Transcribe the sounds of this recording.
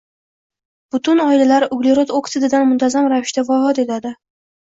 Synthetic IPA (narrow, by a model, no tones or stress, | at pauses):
b̥ʊt̪ʰʊnɒɪlalaɾʊɡleɾot̪okt̪ʰɪd̪ɪd̪anmʊnt̪ʰazamɾavɪʃt̪avɒɦɒt̪e̞t̪ʰad̪ɪ